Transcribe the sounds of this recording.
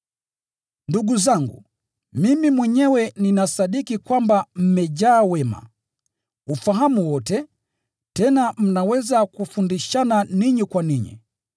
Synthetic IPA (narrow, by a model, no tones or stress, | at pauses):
nduɡuzaŋɡṵ | mimimwɛɲɛwɛninasaɗikikwambam̩mɛʄaːwɛma̰ | ufaɦamuwɔtɛ | tɛnam̩nawɛzakufundiʃananiɲikwaniɲḭ